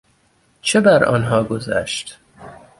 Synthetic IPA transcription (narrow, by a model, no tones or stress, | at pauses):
t͡ʃʰebæɾɒ̰ːnɦɒːɡozæ̰ʃt̪